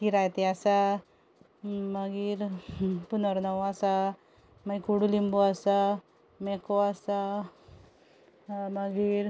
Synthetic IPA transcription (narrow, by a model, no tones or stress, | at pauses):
kiɾajt̪easa | məɡiːɾpunəɾnəwasa | maikuɽulimbuasa | mɛkoasa | məɡiːɾ